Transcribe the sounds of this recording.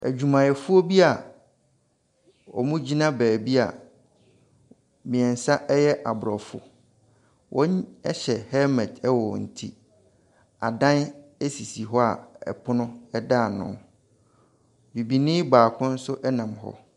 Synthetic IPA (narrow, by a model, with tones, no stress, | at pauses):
æ̰˨d͡ʑᶣu˨mã˨jɛ˨fʊ˦ɔ˦bi˦a˨ | ɔ̰˨mũ˦d͡ʑi˦nã˦bæː˨bi˦a̰˨ | mĩ˨ɛ̃˨n̩˨sa˦ʔɛ˦jɛ˦ʔa˨bʊ˨ɾɔ˨fʊ̰˨ | wʔɔ̃˦ɛ˦ɕɛ˨hɛ˦mɛ̃˨tʰɛ˦wɔ˨n̩˨tʰḭ˦ | a̰˨dã˦ne˦si˨si˨ɦɔ˦a̰˨ɛ̰˨pʰʊ˦nʊ̃˦ɛ˦da˦˨nʊ̰̃˦ | bi˨bi˨nɪ̃˦baː˨kʰʊ̃˦n̩˦sʊ˦ʔɛ˦nã˨mɦɔ̰˦